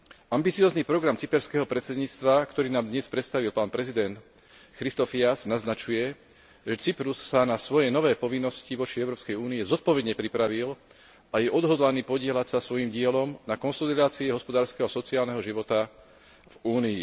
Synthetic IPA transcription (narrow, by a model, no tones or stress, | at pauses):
ʔambit͡siɔːznipɾɔɡɾamt͡sipɛɾskɛːɦɔpɾɛt̪sɛd̪ɲiːt͡st̪ʋakt̪ɔɾiːnaːmd̪ɲɛspɾɛt̪st̪aʋilpaːnpɾɛzid̪ɛnt̪ | xɾist̪ɔfiasnaznat͡ʃujɛ | ʒɛt͡sipɾusːanasʋɔjɛnɔʋɛːpɔʋinːɔsciʋɔt͡ʃiɛʊɾɔːpskɛjuːniɛzɔt̪̚pɔʋɛd̪ɲɛpɾipɾaʋil | ʔajɛʔɔd̪ɦɔd̪laniːpɔɟɪɛlacsasʋɔjimɟɪɛlɔmnakɔnsɔlid̪aːt͡siɛɦɔspɔd̪aːɾskɛːɦɔsɔt͡siaːlnɛɦɔʒiʋɔt̪a | vuːniː